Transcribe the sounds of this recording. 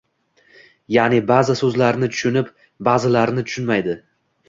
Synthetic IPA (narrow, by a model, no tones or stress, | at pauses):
janibazɪsɵzlaɾnɪt̪ʰʊ̥ʃʊnɪp | bazɪlaɾnɪt̪ʰʊ̥ʃʊnmajd̪ɪ